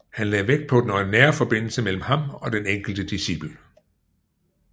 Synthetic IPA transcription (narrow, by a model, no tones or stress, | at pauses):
hænlɛðˠʋeɡ̥̚pʰɒ̽d̥nɒnːæːɐfɒ̽b̥e̝n̰l̩səmel̰m̩hɑ̈mɒ̽d̥eneŋ̰ɡ̥l̩d̥əd̥isib̥l̩